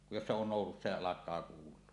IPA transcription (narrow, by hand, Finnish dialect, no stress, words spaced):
jos se on noˑususːɑ jɑ ɑlɑkˑɑː kuːlˑuo